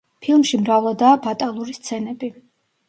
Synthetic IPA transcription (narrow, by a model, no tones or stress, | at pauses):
pʰilˠmʃimɾavlˠad̪aːbat̪ʼalˠuɾist̪sʰɛnɛbi